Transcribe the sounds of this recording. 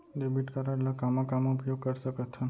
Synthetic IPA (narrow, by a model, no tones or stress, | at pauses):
ɖebiʈkəɾaɽlɔkamakamɔupjoɡ̚kəɾsəkət̪ʰən